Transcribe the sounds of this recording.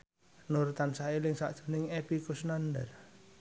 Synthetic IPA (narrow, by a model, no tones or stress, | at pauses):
nort̪ansaelɪŋsa̰ʔd̥ʒ̥o̤nɪŋepikʊsnanda̰r